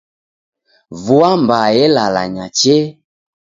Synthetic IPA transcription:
vuambajɛlala̰ɲat͡ʃe

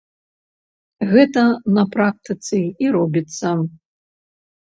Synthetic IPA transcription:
ɣɛt̪ɐnɐpɾak̚t̪ɨt̪sɨiɾɔbʲit̪sːɐ

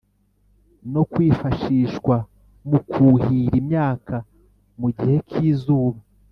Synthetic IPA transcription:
no̞kwiːfaʃiʃwa | mukʰuːhiɾimɲaːka | muɟihe̞kʰiːzuːβa

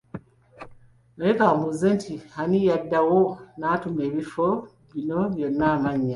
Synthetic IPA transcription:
noekaːmuzentʰihanijadːawonatume̞ːβifo | βino̞βjo̞nːaːmaɲːa

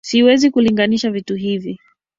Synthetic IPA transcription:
siwɛzikuliŋɡaniʃavituɦivi

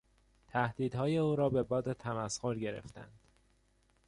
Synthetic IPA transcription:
t̪ʰæhd̪̥iːd̪hɒːje̞uːɾɒːbe̞bɒːd̪et̪ʰæmæsxoɾɟe̞ɾḛft̪æ̰nd̪̥

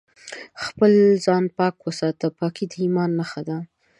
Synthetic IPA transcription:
xpəlzɑnpɑkwəsɑt̪əpɑkid̪əimɑnːaxad̪a

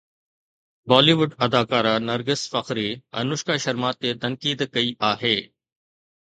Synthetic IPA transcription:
baːliːʋʊɖɐd̪aːkaːɾanɐɾɡɪsfɐxɾiɛ̰̃ːnʊʃkaʃɐɾmaːt̪ːet̪ɐ̃ŋkiːd̪kɐiʔaːɦeː

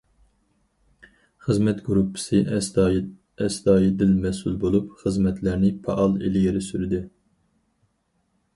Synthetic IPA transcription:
χəzmɛt̪ɡyɾupʰːɨ̥sɨʔ | ɛsd̪ɑːjid̪ɪlmɛsulˠbolˠupχəzmɛt̪ʰlæɾnɪpʰɑ̰ʔɑlˠḛlɪjeɾɪsyɾɪd̪ɪ

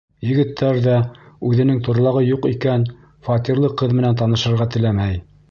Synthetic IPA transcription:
jɘ̆ɡɘ̆t̪ʰːæɾðæʉðɘ̆nɘŋt̪ŏɾlˠɑʁɤjuqikæn | fɑt̪iɾlˠɤqɤðmɘ̆nænt̪̬ɑnɤ̆ʃɤ̆ɾʁɑt̪ɘ̆læmæj

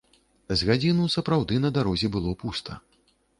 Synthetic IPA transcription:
zɣad͡zʲinusɐpɾawd̪ɨnɐd̪aɾɔzʲɛbɨlˠɔpust̪ʰɐ

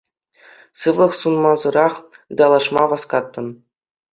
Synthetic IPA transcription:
sɯvlˠɤ̆χsunmɑzɤ̆ɾɑχɯd̪ɑlˠɑʂmɑʋɑskɑt̪ːɤ̆n

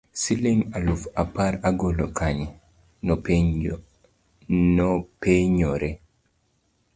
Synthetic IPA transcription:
sileŋalufapaɾaɡolokʰaɲ | n | nɔpeɲɔɾɛ

